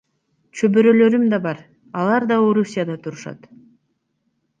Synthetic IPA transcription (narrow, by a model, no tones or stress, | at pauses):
t͡ʃʰøbøɾø̞lø̞ɾymd̪ɑbɑɾ | ɑlˠɑɾd̪ɑo̞ɾusʲijad̪ɑt̪ʰuɾuʃɑ̰t̪